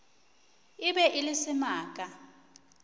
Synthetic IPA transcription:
ɪbɛʔilɪsɪmaːk̬ʼa

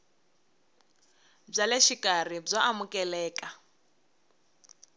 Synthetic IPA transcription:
b͡ʐaleʃikʼarib͡ʐaʔamukʼɛlɛːkʼa

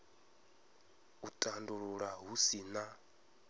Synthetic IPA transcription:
utʼanduɺuɺaɦusina

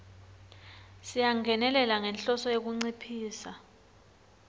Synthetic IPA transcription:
sijaŋʱɛnɛlɛlaŋɛnɬɔsɔjek̬uŋ͡ǀipʰiːsa

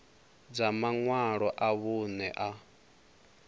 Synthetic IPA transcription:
d͡zamaŋwaɺɔʔaβunɛʔa

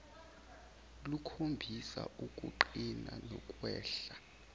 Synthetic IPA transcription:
lukʰombʱisa̰ukʼṵǃinanɔkʼwɛːɬa

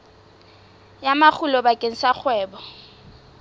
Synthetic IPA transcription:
jamak͡xʰulɔbakʼeŋ̩sak͡xʰwɛːbɔ

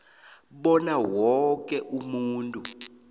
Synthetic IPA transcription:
ɓɔnawɔk̬ʼɛʔumuːntʼu

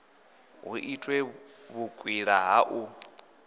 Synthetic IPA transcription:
ɦṵʔitʼwɛβukʼwiɺaɦaʔu

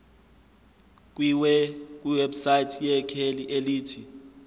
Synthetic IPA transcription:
k̬ʼwiwɛk̬ʼwiwɛbsaitʰjɛkʰeliʔeliːtʰi

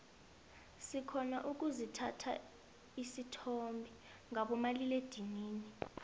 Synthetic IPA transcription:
sikʰɔnaʔuk̬ʼuzitʰatʰa̰ | isitʰɔmbʱi | ŋaɓɔmaliled̥ʱiŋiːni

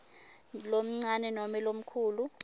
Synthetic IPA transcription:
lom̩ŋ͡ǀanɛnomɛlom̩kʰuːlu

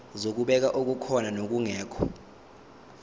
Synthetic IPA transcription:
zok̬uɓɛk̬aʔok̬ukʰɔnanok̬uŋɛːkʰɔ̥

